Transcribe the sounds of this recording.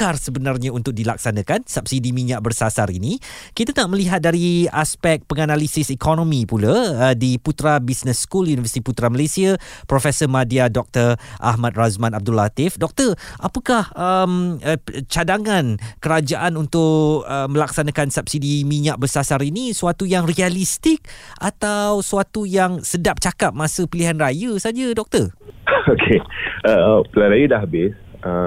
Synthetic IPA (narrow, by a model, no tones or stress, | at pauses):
karsəbənarɲaunt̪ʊk̚dilak̚sanə̃kansap̚sidimĩɲaʔ̚bərsasaɾḭnikit̪anaʔmə̃liɦat̪̚daɾiaspɛk̚pəŋanalisɪsikɔnɔ̃mipulaədiput̪ɾabisnəsːkuljunivəsi̥t̪iput̪ɾaməlesiapɾofɛsəmadiadɔk̚t̪ərʔa̰ɦmat̪̚razmãnab̚dulat̪ɪfdɔk̚t̪ərʔapəkahəm | t͡ʃadaŋãnkəɾad͡ʒaʔanunt̪ʊʔəmə̃laksanãkansap̚sidimiɲaʔ̚bəsasaɾinisuat̪ujaŋrialist̪ɪk̚ʔa̰t̪awsuat̪ujaŋsədap̚t͡ʃakap̚masəpiliɦanrajəsad͡ʒədɔk̚t̪ərokʰeəpəlaɾajədahɦabɪsə